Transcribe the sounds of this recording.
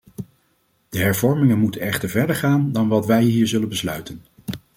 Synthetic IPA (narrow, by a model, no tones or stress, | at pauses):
d̥əɦɛɹvɔɹmɪŋənmutənɛχtəɹvɛɹdəɹχaːndɑnʋɑtʋɛjɦiːɹzɵlənbəslœɥtən